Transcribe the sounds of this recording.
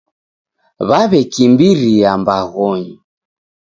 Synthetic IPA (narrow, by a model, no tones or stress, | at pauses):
βaβɛkimbiɾiambaɣɔɲi